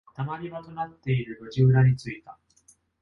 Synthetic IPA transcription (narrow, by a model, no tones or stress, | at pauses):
t̪amaɾʲibat̪o̞nat̪ːe̞iɾɯ̟ɾo̞ʑiɯɾaɲ̟it͡sɨit̪a